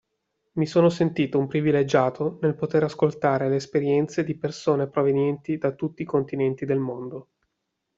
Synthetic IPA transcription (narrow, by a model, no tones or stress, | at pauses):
misoːnosent̪iːt̪oumpɾiviled͡ʒaːt̪ʰonelpot̪eɾaskolt̪aːɾeleːspeɾjɛnt̪sed̪ipersoːnepɾovenjɛnt̪id̪at̪ːut̪ːiːkont̪inɛnt̪id̪elmond̪o